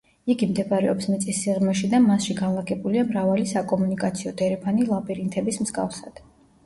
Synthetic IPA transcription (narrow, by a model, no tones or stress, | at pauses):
iɡimd̪ɛbaɾɛɔpsmɛt̪sʼisːiʁmɛʃid̪amasʃiɡanlˠaɡʼɛbuliamɾavalisakʼɔmunikʼat̪sʰiɔt̪ʰʼɛɾɛpʰɔnilˠapʼiɾint̪ʰɛbismz̥ɡa̰fsad̪̥